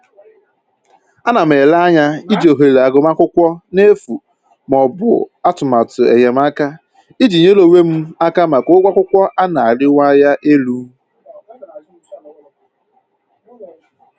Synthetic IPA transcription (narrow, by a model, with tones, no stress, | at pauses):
a˦na˨m̩˨e˨la˦ɲa˦i˦d͡ʒi˨o˨ɦe˨la˨ɡʊ˨m˦a˦kʷʊ˦kʷɔ˦ne˦fu˨ | m˨ɔ˨bʊ̰˨a˦tʊ˨ma˨tʊ˨ḛ˨ɲe˨m̩˦a˦ka˦ | i˦d͡ʒi˨ɲe˦lo˦we˦m̩˦a˦ka˦ma˨kɡ͡bʷa˦kʷʊ˦kʷɔ˦ʔa˦na˨a˨ɾɪ˦wa˦ja˦ʔe˦lu˦